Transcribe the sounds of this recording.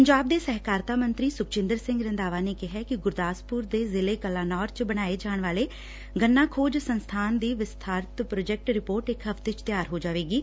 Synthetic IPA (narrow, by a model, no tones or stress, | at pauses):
pəɲd͡ʒaːb̚d̪eːsɛɦkaːɾt̪aːmənt̪ɾiːsʊk̚t͡ʃɪ̃nd̪əɾsɪ̃ŋɡɾənd̪aːʋaːneːkɪɦɛːkɪɡʊɾd̪aːspʊːɾd̪eːzɪleːkəlaːnɔːɾt͡ʃbəɽ̃aːeːd͡ʒaːɳ̃ʋaːleː | ɡənːaːkʰoːd͡ʒsənst̪ʰaːnd̪iːʋɪst̪ʰaːɾt̪pɾoːd͡ʒɛk̚ʈɾɪpoːɾʈɪkɦəft̪eːt͡ʃt̪ɪjaːɾɦoːd͡ʒaːʋeːɡiː